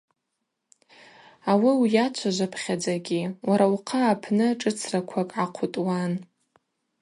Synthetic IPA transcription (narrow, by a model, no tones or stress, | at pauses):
awiwjat͡ʃʷʰaʒʷapʰχʲad͡zaɡʲiwaɾauqʰaːpʰnɨʈ͡ʂʼɨt͡sʰrakʷʰakʼʕaqʷʰutʼwan